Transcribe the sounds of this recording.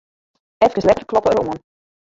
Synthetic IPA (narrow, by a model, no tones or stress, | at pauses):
ɛfkənslɛtərklɔpəəɾoən